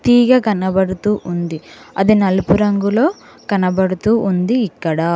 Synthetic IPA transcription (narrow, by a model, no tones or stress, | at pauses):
t̪iːɡaːɡɐnɐbɐɽut̪uːʔund̪iɐd̪inɐlupuɾɐŋɡulo̞ː | kɐnɐbɐɽut̪uːʔund̪iːkːɐɽaː